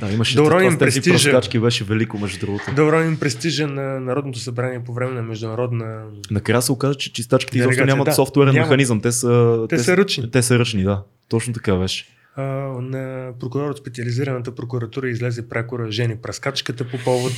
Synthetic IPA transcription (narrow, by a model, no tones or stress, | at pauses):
d̪aimɐʃɛd̪ɐɾɔnimp̪ɛɾɛsit̪iɾɐʒskat͡ʃkibɛʃɛvɛlikomɛʒd̪ud̪ɾuɡot̪od̪ɐʊɾɔnʲimpɾɛst̪iʒənɐnɐɾɔd̪not̪osɐbɾaniɛpovɾɛmɛnɐmɛʒd̪ʊnɐɾɔd̪nə | nɐkɾasɛokazət͡ʃɛ̥t͡ʃist̪at͡ʃki̥t̪izɔpʃonʲɲamɐt̪sɔft̪wɛɾɛnnmɛxxɐnizəmt̪ɛsət̪ɛɛsəɾət͡ʃnit̪ɛsəɾɤt͡ʃnid̪a | t̪ɔt͡ʃnot̪ɐ̥kabɛʃɛ̥ | nɐpɾokʊɾɔɾot̪spɛt̪siɐliziɾənət̪əpɾokuɾɐt̪uɾəizlɛzɛpɾɛkʊɾəʒɛnipɾɐskat͡ʃkət̪əpopɔvot̪